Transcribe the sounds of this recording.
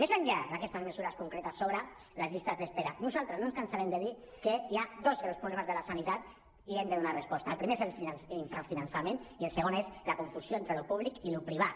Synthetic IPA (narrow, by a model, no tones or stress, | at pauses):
mezaɲʎad̪akɛst̪azmesuɾaskuŋkɾet̪asoβɾa | lazʎist̪azðespeɾanuzalˠt̪ɾəznõnskansaɾɛmd̪eði | kəiad̪ozɣɾawspɾuβlemazðəlasanit̪at̪̚ | iemd̪əðunarespɔst̪aəlˠpɾimeezelfinansiɱfɾafinansamenielˠsəɣonezlakuɱfusjoent̪ɾelupuβlikilupɾiβ̞a